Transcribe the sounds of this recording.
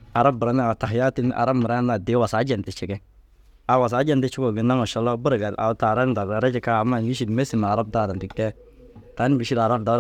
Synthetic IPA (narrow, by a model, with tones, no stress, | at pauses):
a˨ɾa˦b̚bɪ˨ɾa˦n˦a˨ta˨hja˦ti˦n˦ʔa̰˨ɾa˦bmɪ˨ɾa˦na˨dɪ˦wa˨saː˨˦d͡ʒɛ˨n˨tɪ˨t͡ʃɪ˨ɡɛ˦ | a˨wa˨s̬aː˨˦d͡ʒɛ˦ntɪ˦t͡ʃɪ˦kɔ˨ɡɪ˨na˦ŋɔ˨ʃɔ˦lɔ˦bu˦ɾɡa˨la̰˨wta˨ɾa˦n˦da˨a˨ɾa˦d͡ʒɪ˦ka˦a˨ma˦˨n˨wi˦ʃ̬i˦dme˦si˨na˨a˨ɾa˦b̚da˦˨ɾa˨ti˦ktɛ˦ | ta˨˦n˦wi˨ʃi˦da˨ɾa˦nda˦